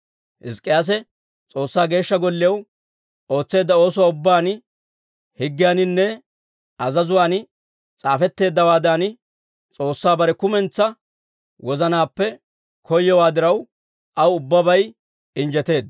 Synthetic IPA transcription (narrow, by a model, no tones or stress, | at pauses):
ʔɪ̰skʼːɪjaːs̬ɛ | t͡sʼo̞ːsːaːɡe̞ːʃːɐɡɔlːɪjɐw | o̞ːt͡sːe̞ːd̪ːɐo̞ːsʊwaːʊbːaːn | hɪɡːɪjaːnɪnːɛ | ɐzɐzʊwaːn | t͡sʼaːfɛt̪ːe̞ːd̪ːɐwaːd̪aːn | t͡sʼo̞ːsːaːbɐɾɛkʊmɛnt͡sːɐ | wɔzɐnaːpːɛ | kʰɔjːɔwaːd̪ɪɾɐw | ʔɐwʊbːɐbɐj | ɪnd͡ʒɛt̪e̞ːd̪